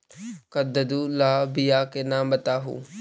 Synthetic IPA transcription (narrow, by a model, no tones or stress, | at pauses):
kəd̪əd̪uːlaːbijaːkenãːmbət̪aːɦṵː